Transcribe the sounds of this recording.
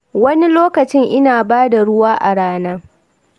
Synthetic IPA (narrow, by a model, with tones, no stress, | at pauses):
wɐ˦ni˦loː˦kɐ˨t͡ʃɪ˦ŋʔɪ˦naː˨baː˦da˨ɽʊ˦waː˦ʔa˨ɽaː˦naː˦